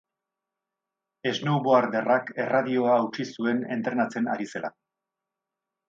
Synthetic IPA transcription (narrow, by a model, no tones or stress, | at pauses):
e̞znowβo̞aɾd̪e̞rake̞raðio̞aːwt͡ʃisue̞ne̞̰nt̪ɾe̞nat͡se̞na̰ɾise̞la̰